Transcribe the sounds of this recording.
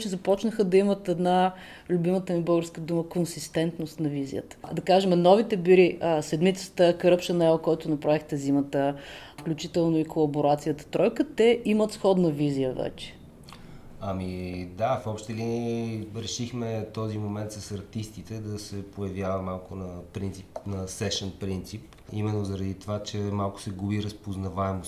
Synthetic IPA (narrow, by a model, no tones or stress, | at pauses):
t͡ʃɛzɐpɔt͡ʃnəxəd̪ɐimət̪ɛd̪na | lʲʊbimət̪əmibɤlˠɡəɾskəd̪uməkonsist̪ɛnt̪nost̪nɐvizḭjə̰t̪ə̥d̪ɐkaʒɛmnɔvit̪ɛbiɾiəsɛd̪mit̪sə̥t̪əkəɾɤpʃənɛlˠkɔjt̪ʊnɐpɾavixt̪ɛzimət̪ə | fklʲut͡ʃit̪ɛlˠnoikolˠɐboɾat̪sijət̪ə̥t̪ɾɔjkət̪ɛʔimət̪sxɔd̪nɐvizijəvɛ̰t͡ʃɛ̥ | ɐmid̪afɔpʃt̪ɛlinɾɛʃixmɛt̪ɔzimomɛnt̪sɐsɐɾt̪ist̪it̪ɛd̪ɐsɛpojɐvjavɐmalˠkʊnɐpɾint̪sipnɐsɛʃɛnpɾint̪sip | imɛnːozɐɾɐd̪it̪ovat͡ʃɛmalˠkʊ̥sɛɡubiɾəspoznɐvaɛmos